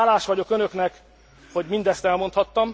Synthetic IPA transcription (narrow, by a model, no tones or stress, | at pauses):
laːʃʋɒɟo̞kønøknɛk | ho̞ɟmind̪ɛst̪ɛlmo̞nt̪hɒt̪ːɒm